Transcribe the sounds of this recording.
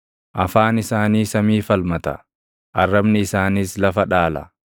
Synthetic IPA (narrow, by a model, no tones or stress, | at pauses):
ʔɐfaːnɪsaːniːsɐmiːfɐlmɐt̪ɐ̰ | ʔɐrːɐbnɪɪsaːniːslɐfɐᶑaːlɐ̰